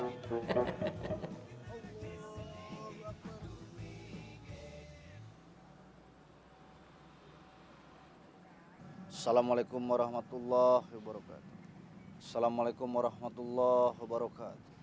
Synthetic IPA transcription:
sɐlamalekumwɐɾɑɦmat̪ulːaɦbɔɾɔka̰t̪ | sɐlamalekumwaɾɔɦmat̪ulːaɦbɔɾɔkat̪

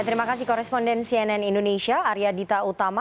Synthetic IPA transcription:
t̪əɾimakasihkɔɾɛspɔndɛnsiɛnɛnindonesiaːɾiadit̪aut̪ama

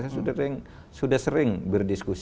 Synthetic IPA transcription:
sasudɪŋ | sudahsəɾɪŋbərdiskus

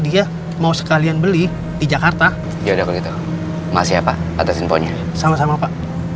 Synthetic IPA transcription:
dia | mausə̥kalianbəli | did͡ʒakart̪a | dadakɔɡit̪u | masiapa̰a̰t̪asinpo̰ɲasamasamapaʔ

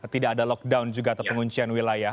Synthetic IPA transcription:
t̪idaːdalɔk̚dawnd͡ʒuɡaːt̪awpəŋuɲt͡ʃianwilaja

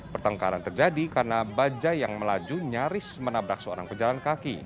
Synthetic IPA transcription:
pərt̪əŋka̰ɾant̪ərd͡ʒadikarənabad͡ʒajaŋməlad͡ʒuɲaɾɪsmənabɾak̚səo̰ɾaŋpəd͡ʒalankakḭ

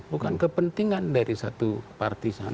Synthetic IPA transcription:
bukankəpənt̪iŋandaɾisat̪upa̰rt̪isan

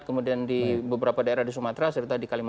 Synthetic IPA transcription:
kəmudiandibəbəɾapadaeɾahdis̬umat̪ɾasərt̪adikalim

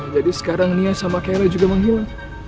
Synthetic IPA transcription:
d͡ʒadisə̥kaɾaŋniasamakailad͡ʒuɡaməŋɦila

